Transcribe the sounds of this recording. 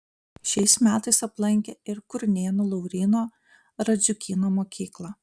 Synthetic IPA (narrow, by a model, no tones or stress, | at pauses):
ʃʲɛɪsmʲæːt̪ɐɪsɐplˠɐŋʲkʲeɪɾkʊɾʲnʲeːnʊlˠɒʊɾʲinoː | ɾɐd̪zʲʊkʲiːnoːmoːkʲiːklˠɑ